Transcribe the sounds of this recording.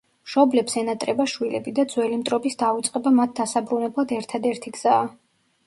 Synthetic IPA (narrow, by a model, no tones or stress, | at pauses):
mʃɔblɛpsɛnat̪ʼɾɛbaʃwilɛbid̪ad̪zwɛlimt̪ʼɾɔbisd̪aut̪sʼqʼɛbamat̪̚ʰd̪asabɾunɛblˠad̪ɛɾt̪ʰad̪ɛɾt̪ʰiɡz̥aː